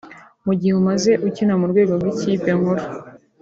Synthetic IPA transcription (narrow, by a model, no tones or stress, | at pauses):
muɟiheumaze̞ʔucinamuɾɡwe̞ːɡo̞ɾɡwicipeŋhoɾo